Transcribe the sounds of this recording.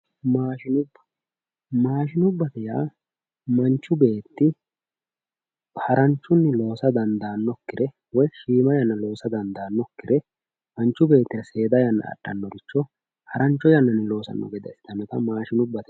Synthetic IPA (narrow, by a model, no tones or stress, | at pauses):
maːʃɪnʊbːɐ̥ | maːʃɪnʊbːɐt̪ɛjaː | mɐnt͡ʃːʊbe̞ːt̪ːɪ | hɐɾɐnt͡ʃːʊnːɪlo̞ːsɐd̪ɐnd̪aːnːɔkːɪɾɛ | wɔjʃiːmɐjɐnːɐlo̞ːsɐd̪ɐnd̪aːnːɔkːɪɾɛ | mɐnt͡ʃːʊbe̞ːt̪ːɪɾɐse̞ːd̪ɐjɐnːɐ̰ɐ̰ɗːɐnːɔɡɪt͡ʃːɔ | hɐɾɐnt͡ʃːɔjɐnːɐnːɪlo̞ːsɐ̰nːɔ̰ɡɛd̪ɛ̰sɪt̪ɐnːɔt̪ɐmaːʃɪnʊbːɐt̪ɛ